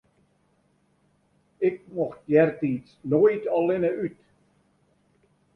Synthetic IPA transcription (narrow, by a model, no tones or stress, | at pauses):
ɪk̚mɔxt̚jɛrtiːsnojtɔlɪnəyt